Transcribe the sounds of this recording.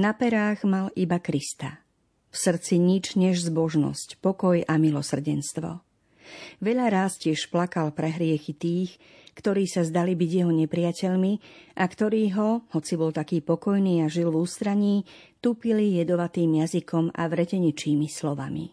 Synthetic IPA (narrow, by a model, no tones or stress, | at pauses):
napɛɾaːɣmalibakɾist̪a | fsr̩t͡siɲid͡ʒɲɛʒzbɔʒnɔ̰scpɔkɔjamilɔsr̩ɟɛnst̪ʋɔ̰ | ʋɛʎaɾaːscɪɛʃplakalpɾɛɦɾɪɛxit̪iːx | kt̪ɔɾiːsazd̪alibiɟjɛɦɔɲɛpɾɪacɛʎmiʔakt̪ɔɾiːɦɔhɔt͡sibɔlt̪akiːpɔkɔjniːaʒilvuːst̪ɾaɲiː | t̪uːpilijɛd̪ɔʋat̪iːmjazikʰɔma̰ʋɾɛcɛɲit͡ʃiːmislɔʋamḭ